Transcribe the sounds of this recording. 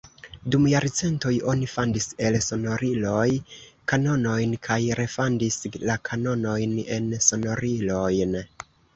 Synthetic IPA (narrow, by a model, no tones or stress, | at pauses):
dumjaɾt͡se̞ntojo̞nifandise̞lso̞no̞ɾilo̞jkano̞no̞jnkʰajɾe̞fandislakʰano̞no̞jne̞nso̞no̞ɾilo̞jn